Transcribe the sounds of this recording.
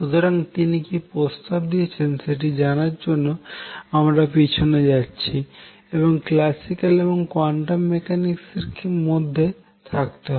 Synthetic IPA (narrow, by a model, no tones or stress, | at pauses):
ʃut̪oɾaŋt̪inikipɾost̪ab̚d̪ijet͡ɕʰenʃeʈ̬id͡ʑanaɾd͡ʑonːoamɾapit͡ɕʰoned͡ʑatːɕʰi | eboŋklasikaleboŋkwaɳʈammekanikseɾkimod̪ʱːe | t̪ʰak̚t̪eɦɔ